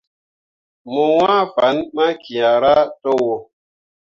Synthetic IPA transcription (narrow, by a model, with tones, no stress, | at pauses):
mo˨wã˦fa˨˦nma˦kʰi˨a˨ɾa˦to˦wo˦